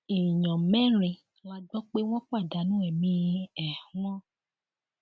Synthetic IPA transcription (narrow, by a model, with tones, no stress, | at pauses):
i˨ɲɔ̃˨mɛ̃˦ɾ̃ĩ˨ | la˧ɡ͡bɔ˦k͡pe˦w̃ɔ̃˦k͡pa˦˨da˨˦nũ˦ɛ˨mĩ˧ɛ˨ũ˦ɔ̃˦